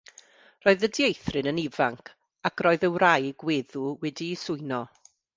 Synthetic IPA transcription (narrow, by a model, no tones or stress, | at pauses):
r̥ɔːɨðədjejθrɨnənivaŋkʰ | akʰroːɨðəwrajɡweːðuwɛdiːsʊɨnɔ